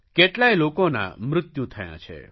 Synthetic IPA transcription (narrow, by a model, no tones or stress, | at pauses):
keʈlajlokona̰mɾʊt̪jut̪ʰəjã̰t͡ʃʰḛ